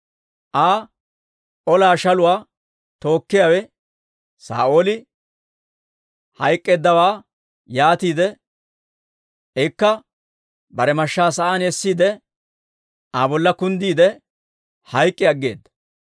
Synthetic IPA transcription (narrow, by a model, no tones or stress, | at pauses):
ʔaː | ʔɔlaːʃɐlʊwaː | t̪o̞ːkːɪjaːwɛ | sa̰ːʔo̞ːlɪ | hɐjkʼːeːd̪ːɐwaː | jaːt̪iːd̪ɛ | ɛkːɐ | bɐɾɛmɐʃːaːsɐʔaːnɛsːiːd̪ɛ | aːbɔlːɐkʊnd̪iːd̪ɛ | hɐjkʼːɪɐɡːe̞̰ːd̪ːɐ̥